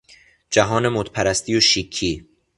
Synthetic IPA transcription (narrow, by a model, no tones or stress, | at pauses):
d͡ʒæɦɒːne̞mot̪ʰpʰæɾæst̪ijoʃikʰːiː